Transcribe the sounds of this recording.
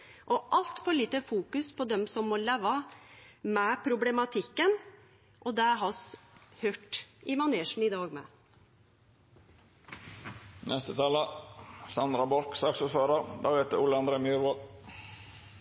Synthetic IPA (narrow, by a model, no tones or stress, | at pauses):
ʔɔʔɑlt̪fɔɭiːt̪əfuːkʉspʰɔd̪ɛmsɔmːɔleːʋɑ | mɛpʰɾʊblɛmɑt̪ʰɪkːən | ʔɔd̪æɦɑshøːʈɪmɑneːʂn̩ɪd̪ɑːɡmɛ̰ | nɛst̪ət̪ʰɑːləsɑnd̪ɾɑbɔɾksɑksəsʋɑːɾɑɾd̪ɑːʋheːt̪̚d̪ə̰ʊləɑnɾeːmyːɾʋo